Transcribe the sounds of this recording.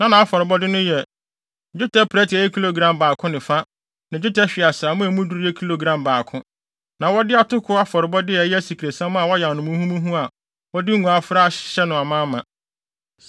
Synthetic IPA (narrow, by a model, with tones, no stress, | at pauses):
nã˦nã˨a˦fɔ˨ɾɪ˨bɔ˦dɪ˦nʊ̃˦jɛ˨ | d͡ʑᶣʊ˦tʰɛ˦pʰɾɛ˦tʰɪ˨ɛ˨jɛ˦kʰi˦lo˨ɡɾã˨mbaː˨kʰʊ̃˦nɪ̃˨fa˦ | nã˨d͡ʑᶣʊ˦tʰa˦ɕᶣi˨a˨saː˨˦mʊ̃˦æ˨mũ˦du˦ɾɛ˦kʰi˦lo˨ɡɾã˨mbaː˨kʰʊ̃˦ | nã˨wɔ˦dɪ˦a˨tʊ˦kʰʊ˦a˦fɔ˨ɾɪ˨bɔ˦dɪ˦˨˦jɛ˦æ˦si˨kʰɾe˨sã˦m˦a˨wɔ˦ja˨nʊ̃˨mũ˦hũ˦mũ˦ɦũ˦a˨ | wɔ˦dɪ˦ŋ̩˦ɡʷũ˨a˦fɾa˦˨˦ɕɛ˦nʊ̃˨a˨mãː˦mã̰˨